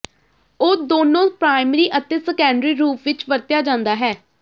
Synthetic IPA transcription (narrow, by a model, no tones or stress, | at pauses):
oːd̪oːnõːpɾaːɪmɾiːʔət̪eːsəkɛ̃ːɳɖɾiːɾuːpʰʋɪt͡ʃʋəɾt̪ɪjaːd͡ʒãːnd̪aːɦɛː